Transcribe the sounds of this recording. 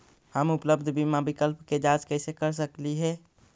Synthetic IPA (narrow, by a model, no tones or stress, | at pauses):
həmʊpləbd̪ʱbʱimãbɪkəlpked͡ʒaːd͡ʒkɛɪsekəɾs̬əkliɦɛ